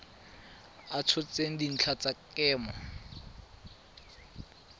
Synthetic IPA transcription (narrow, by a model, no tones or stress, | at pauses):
at͡sʰʊt͡seŋ̩din̩t͡ɬʰat͡sakɛːmɔ